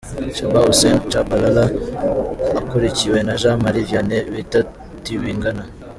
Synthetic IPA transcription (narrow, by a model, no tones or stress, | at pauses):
ʃabausent͡ʃabalalaː | koɾiciwenaʒamaɾivjaneβita | tiβiːŋɡana